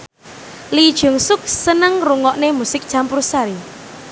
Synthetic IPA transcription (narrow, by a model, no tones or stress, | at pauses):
lid̥ʒ̥ʊ̤ŋsʊk̚sənəŋruŋɔʔnemusɪk̚dʒ̥ampʊɾsaɾi